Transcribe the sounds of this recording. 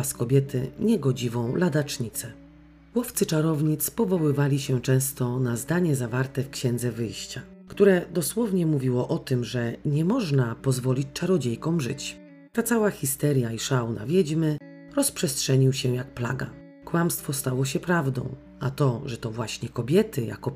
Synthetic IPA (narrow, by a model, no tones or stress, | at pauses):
askɔbʲjɛt̪ʰɘ̰ɲɛɡɔd͡ʑivɔ̃w̃lad̪at͡ʂɲit̪sɛ | wɔft̪sɘt͡ʂaɾɔvɲit̪spɔvɔwɘvalʲiɕɛt͡ʂɛ̃w̃st̪ɔnazd̪aɲɛzavaɾt̪ɛfkɕɛ̃nd̪zɛvɘjɕt͡ɕa | kt̪uɾɛd̪ɔswɔvɲɛmuvʲiwɔʔɔt̪ɘmʐɛɲɛmɔʐnapɔzvɔlʲit͡ɕt͡ʂaɾɔd͡ʑejkɔ̃w̃ʐɘ̰t͡ɕ | t̪at̪sawaxʲist̪ɛɾjaiʂawna̰vʲjɛd͡ʑmɘ | ɾɔspʂɛstʂɛɲiwɕɛjak̚pla̰ɡa̰ | kwamst̪fɔst̪awɔɕ̬ɛpɾavd̪ɔ̰̃w̃ | ʔat̪ɔʐɛt̪ɔvwaɕɲɛkɔbʲjɛt̪ɘja̰kɔ